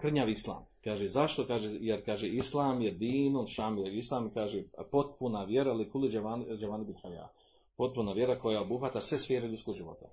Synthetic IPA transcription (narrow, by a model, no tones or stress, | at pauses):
kr̩ɲaːʋislˠa̰ːmkaːʒezaʃt̪o̞kaːʒejeɾkaːʒeislˠaːmjed̪iːnunʃaːmieislˠaːmkaːʒepo̞t̪̚punaʋje̞ɾalikulid͡ʒaaːnd͡ʒaʋaːnibilħaja̰ː | po̞t̪̚punaʋje̞ɾako̞jaobuɦat̪asʋe̞sfeːɾeʎʲut̪koɡʒiʋo̞̰t̪a̰